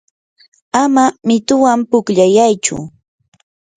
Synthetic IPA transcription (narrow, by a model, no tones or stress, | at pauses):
amamɪt̪ʊwampʊkʎajajt͡ʃʊ̰